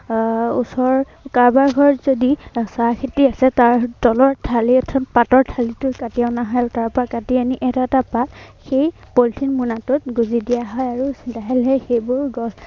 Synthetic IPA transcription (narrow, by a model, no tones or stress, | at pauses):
usɔɹ | kaɹbaɹɡʱɔɹɔzodisakʰitiasɛtaɹtɔlɔɹtʰaliɔtʰɔpatɔɹtʰalitʊkatijanaɦajtaɹpɔɹakatianiʔɛtatapatxej | poltʰinmunatʊt̚ɡuzidijaɦɔjaɹudaɦilɦɛxejbʊɹɡɔs